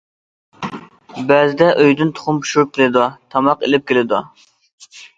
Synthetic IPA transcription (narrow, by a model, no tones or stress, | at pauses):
bɛzɪd̪ɛʔøjd̪ɪnt̪ʰo̥χʊmpʰu̥ʃuɾp̚kʲʰelɪd̪ɑt̪ʰɑmɑqelɪp̚kʲelɪd̪u